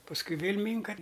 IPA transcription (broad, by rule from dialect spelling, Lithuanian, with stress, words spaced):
pɐsˈkʊɪ ˈʋʲeːlʲ ˈmʲiːŋkɐ